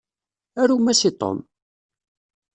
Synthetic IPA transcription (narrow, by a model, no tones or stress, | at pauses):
æɾumæsit̪ˤo̰m